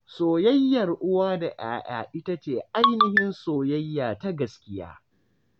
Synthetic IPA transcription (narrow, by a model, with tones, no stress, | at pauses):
soː˨jɐ˦jːɐ˨rʔʊ˦waː˦da˨ʔa̰ː˦ʔa̰ː˨ʔɪ˦ta˦t͡ʃeː˨ʔa˦jnɪ˨hɪ˦nsoː˨jɐ˦jːaː˨ta˦ɡɐ˨skʲɪ˦ja̰ː˦